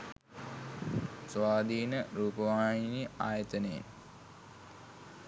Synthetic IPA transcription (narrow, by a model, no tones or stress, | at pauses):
sʋaːd̪iːnəɾuːpəʋaːɳiniaːjət̪ənḛ